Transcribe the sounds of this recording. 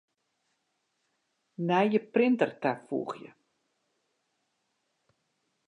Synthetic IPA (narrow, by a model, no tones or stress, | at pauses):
nɛjjəprɪntərtafṵːxjə̰